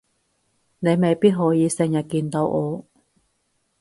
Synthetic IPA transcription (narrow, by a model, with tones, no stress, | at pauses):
ne˨˧jme˨jpiː˥t̚ɦɔː˨˥jiː˨˧sɪ˧ŋjɐ˨t̚kiː˧nt̪o˧wʔɔː˨˧